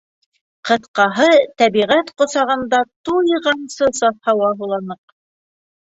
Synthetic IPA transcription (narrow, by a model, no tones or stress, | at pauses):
qɤ̆θqɑɦɤt̪æβiʁæt̪qŏsɑʁɤ̆nd̪ɑt̪ujʁɑnsɤsɑθhɑwɑɦulˠɑnɤq